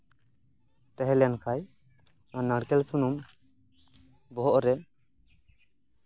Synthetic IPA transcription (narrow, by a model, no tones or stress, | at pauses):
t̪ɛɦɛlɛjankʰaj | anəɽkɛlsunum | bɔɦɔʔɾɛ